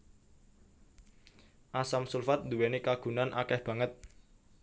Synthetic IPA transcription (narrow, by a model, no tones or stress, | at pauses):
ʔasamsulfat̪̚nd̪uwenekaɡ̥ṳnanʔakɛhb̥ä̤ŋət̪̚